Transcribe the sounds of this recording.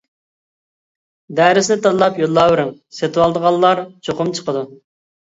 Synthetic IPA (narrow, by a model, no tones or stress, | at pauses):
d̪æːɾɪsɪnɪt̪ʰɑd̪lˠɑpjolˠːɑːwɾɪŋ | set̪ʰɪwɑlˠd̪əʁɑlˠːɑɾt͡ʃʰoqʊmt͡ʃʰə̥qəd̪u